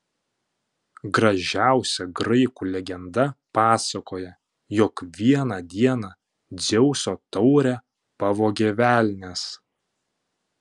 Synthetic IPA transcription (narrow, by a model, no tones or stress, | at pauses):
ɡɾɐʒʲæˑʊsʲɛɡɾɐɪkuːlʲɛɡʲɛnd̪ɐpɑːsɐkoːjɛ | jɔkʋʲiɛnɑd̪ʲiɛnɑ | d̪zʲɛʊsʲoːt̪ɒʊɾʲɛ | pɐʋoːɡʲɛʋʲæːlʲnʲeːs